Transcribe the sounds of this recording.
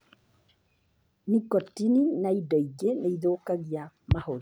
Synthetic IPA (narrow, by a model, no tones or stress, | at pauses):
nikɔtininaidɔiɡeneiðoːkaɣia | mahoɾi